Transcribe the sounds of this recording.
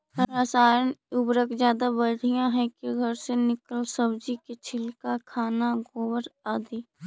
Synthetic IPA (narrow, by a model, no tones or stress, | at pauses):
ɾasaːɾənʊbɾəkd͡ʒjaːd̪abəɽ̤ʱijãɦɛ̃keɡʱəɾsenɪkəlsəbd͡ʒiket͡ʃʰɪlkakʰaːnaɡoːwəɾaːd̪iː